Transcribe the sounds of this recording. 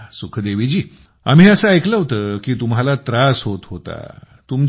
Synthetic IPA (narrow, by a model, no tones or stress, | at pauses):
sukʰd̪eʋid͡ʑiː | a̰m̤iːəsaəjkləɦot̪əːkiːt̪umɦalat̪ɾasɦot̪ɦot̪a̰ | t̪um